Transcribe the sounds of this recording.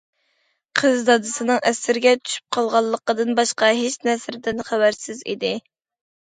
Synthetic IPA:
qʰəzd̪ɑd̪ɨsɨnɨŋʔɛsɪɾɪɡʲɛt̪ʰy̥ʃy̥p̚qʰɑlˠʁɑlˠːəqəd̪ɨnbɑʃqɑɦet͡ʃnɛsɾd̪ɪnχæwæɾsɪzḭd̪ɪ

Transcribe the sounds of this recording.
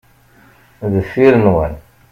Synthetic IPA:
ðəfːiɾənwæn

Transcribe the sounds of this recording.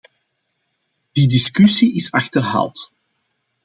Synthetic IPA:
d̥idɪskysiʔɪsɑxtərɦa̰ːlˠt

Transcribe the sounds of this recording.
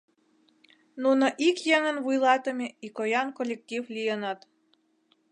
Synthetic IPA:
nunoʔikjeŋənβujlɑt̪ə̆meikojɑnkolʲek̚tʲivlʲijənɑt̪

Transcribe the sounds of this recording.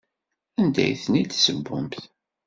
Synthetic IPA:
ænd̪æ̰jθnid̪səbːʊ̰mθ

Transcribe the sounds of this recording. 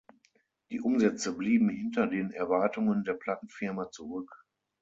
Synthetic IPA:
d̥iːʔʊmzɛt͡səbliːbm̩hɪntɐdeːnɛɐvaɐtʊŋəndeːɐpʰl̥atn̩fɪɐmat͡suʁʏk

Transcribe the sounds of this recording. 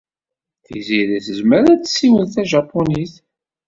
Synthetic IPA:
θḭziɾæθəzməɾæt͡sːsːiwəðθæʒɑpːoniθ

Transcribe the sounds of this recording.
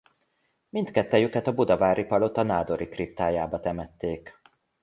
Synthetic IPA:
mint̪kɛt̪ːɛjykɛt̪ɒbud̪ɒvaːɾipɒlo̞t̪ɒnaːd̪o̞ɾikrip̚t̪aːjaːbɒt̪ɛmɛt̪ːeːk

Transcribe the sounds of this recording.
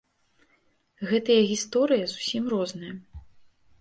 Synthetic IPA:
ɣɛt̪ɐjɐɣʲist̪ɔɾɨjɐzusʲimrɔznɨjɐ

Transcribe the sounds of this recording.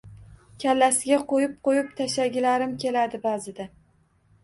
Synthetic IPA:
kʲʰalːasɪɡʲaqʰojɪp̚qojɪp̚t̪ʰaʃaɡʲɪlaɾɪmkʲʰe̞lad̪ɪbazɪd̪a

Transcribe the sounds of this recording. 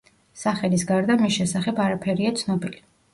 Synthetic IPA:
saχɛlisɡaɾd̪amisʃɛsaχɛbaɾapʰɛɾiat̪sʰnɔbili

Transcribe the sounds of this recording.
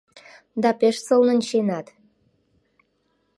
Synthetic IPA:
d̪ɑpeʃsə̆lnə̆nʲt͡ɕenɑt̪

